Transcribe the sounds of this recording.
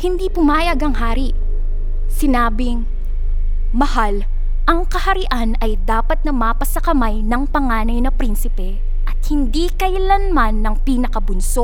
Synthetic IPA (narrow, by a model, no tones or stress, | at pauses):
hɪnd̪ipʊmaːjɐɡɐŋɦaːɾiʔ | sɪnaːbɪŋ | mɐhal | ʔɐŋkɐhɐɾɪʔanɐjd̪aːpɐt̪̚nɐmaːpɐsɐkɐmajnɐŋpɐŋaːnɐjnɐpɾinsɪpɛ | ʔɐt̪̚hɪnd̪iːkɐjlɐnmanːɐŋpiːnɐkɐbʊnsoʔ